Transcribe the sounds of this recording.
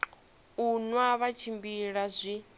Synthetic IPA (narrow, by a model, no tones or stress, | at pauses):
unwaβat͡ʃʰimbiɺazʷi